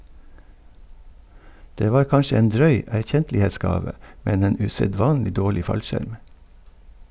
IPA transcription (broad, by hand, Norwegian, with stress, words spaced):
ˈdeː ˈʋɑːɾ ˈkɑnʃə ˈeːn ˈdɾœʏ æɾˈçɛntlɪeːˌsɡɑːʋə ˈmɛn ˈeːn ʉsɛˈdʋɑːnlɪ ˈdoːɭɪ ˈfɑlʃæɾm